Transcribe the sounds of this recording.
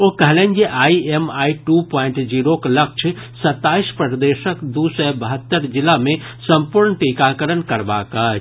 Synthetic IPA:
okɛɦlẽːnd͡ʒeʔaːiemaːiʈupɔ̃ːɪɳʈd͡ʒiːɾoklək̚t͡ʃʰ | sɐt̪ːaːispɾəd̪eːʃəkd̪usɛbəɦət̪ːəɾd͡ʒɪlamẽ | sə̃mpuɾɳʈikakəɾənkəɾba̰ːkə

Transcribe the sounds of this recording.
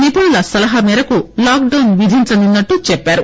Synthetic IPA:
nipuːlɐsɐlɐɦɐmɛːɾɐkulaːkɖɐwnʋid̪ʱiɲt͡ʃɐninːɐʈːut͡ʃɛpːaːɾu

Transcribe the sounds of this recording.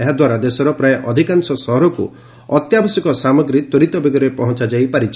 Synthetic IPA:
eɦad̪waɾad̪esɔɾɔpɾaeʔɔd̪ʱikansɔsɔɦɔɾɔkṵ | ɔt̪jabɔsjɔkɔsamɔɡɾit̪ɔɾit̪ɔbeɡɔɾepɔɦɔ̃nt͡ʃad͡ʒajpaɾit͡ʃʰi

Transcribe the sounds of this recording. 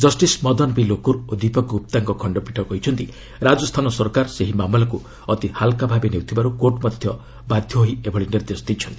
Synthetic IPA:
d͡ʒɔsʈismɔd̪ɔnbilokuɾod̪ipɔkup̚t̪aŋkɔkʰɔɳɖɔpiʈʰɔkɔɦit͡ʃʰɔnt̪i | ɾad͡ʒɔst̪ʰanɔsɔɾkaɾseɦimamɔlɔku | ɔt̪ihalkabʱabenewt̪ʰibaɾukoɾʈmɔd̪ʱjɔ | bad̪ʱjɔɦoɦiebʱɔɭiniɾd̪esɔ̥d̪it͡ʃʰɔnt̪ii

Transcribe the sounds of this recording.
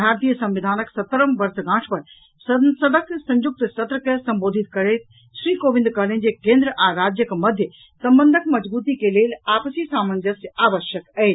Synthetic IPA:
bʱaːɾt̪ijəsɐ̃mʋid̪ʱaːnəksɐt̪ːəɾəmʋɐɾsɡãːʈʰpɐɾ | ssɐd̪əksɐ̃ɲd͡ʒʊk̚t̪t͡ʃɐt̪ɾəkesɐ̃mboːd̪ʱɪt̪kɐɾeːt̪ | ʃɾiːkoːʋɪ̃nd̪kɐlẽnd͡ʑekẽːnd̪ɾəʔaɾaːd͡ʒjəkmɐd̪ʱjə | sɐ̃mbənd̪ʱəkmɐd͡ʒbuːt̪ikeleːlaːpəsisaːmənd̪ʱjəsaːʋəʃjəkɛː

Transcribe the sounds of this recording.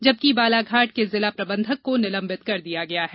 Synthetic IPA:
d͡ʒɐb̚kibaːlaːɡʱaːʈ̚kezɪlapɾɐbə̃nd̪ʱəkːonɪlɐ̃mbɪt̪kɐɾd̪ijaɡɐjaɦɛː

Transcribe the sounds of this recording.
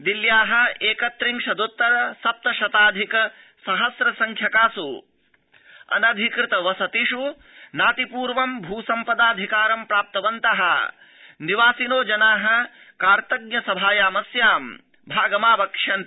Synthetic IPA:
d̪iljaːɦɐ̆eːkɐt̪ɾiŋʃɐd̪ut̪ːɐɾɐsɐp̚t̪ɐʃɐt̪aːd̪ʱikɐ | sɐɦɐsɾɐsɐŋkʰjɐkaːsu | ɐ̰nɐd̪ʱikɾɪt̪ɐʋɐsɐt̪iʃu | naːt̪ipuːɾʋɐmbʱuːsɐmpɐd̪aːd̪ʱikaːɾɐmpɾaːp̚t̪ɐʋɐnt̪ɐɦɐ | niʋaːsinoːd͡ʒɐnaːɦɐ̆ | kaːɾt̪ɐɡ̚ɲɐsɐbʱaːjaːmɐsjaːm | bʱaːɡɐmaːbɐkʂɐn

